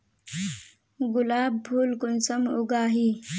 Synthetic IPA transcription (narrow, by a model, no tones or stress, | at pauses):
ɡʊlaːbbʱuːlkʊnsɐmʊɡaːɦiː